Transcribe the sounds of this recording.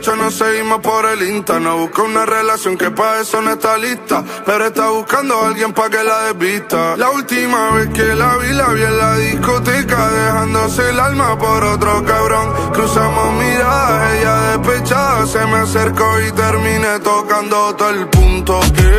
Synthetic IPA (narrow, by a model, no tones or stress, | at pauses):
t͡ʃonoseɣimo̞hpo̞ɾe̞lint̪enoβuhkounare̞lasjo̞ŋkepaesonoest̪aliht̪a | pe̞ɾoe̞ht̪aβuhkand̪oalɣje̞mpak̬e̞laðeβit̪alault̪imaβe̞hke̞laβilaβjelːaðihkut̪̬ikaðehand̪oselalmapo̞ɾo̞t̪ɾokaβɾo̞ŋ | kɾusamomiɾaðaɦeʝaðe̞hpet͡ʃaðosemeseɾko̞it̪eɾmĩne̞t̪o̞kand̪ot̪elpunt̪o̞